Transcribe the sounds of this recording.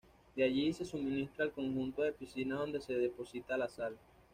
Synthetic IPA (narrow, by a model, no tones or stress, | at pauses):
d̪eaʝise̞sumĩnist̪ɾaːlko̞ŋxunt̪o̞ðe̞pisinaðo̞nd̪e̞se̞ðe̞po̞sit̪alasal